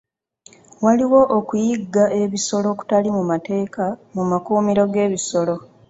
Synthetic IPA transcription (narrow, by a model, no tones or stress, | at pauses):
waliwo̞ʔokujiɡːaʔe̞βiso̞lo̞ku̥talimumate̞ːkamumakuːmiɾo̞ɡe̞ːβiso̞lo̞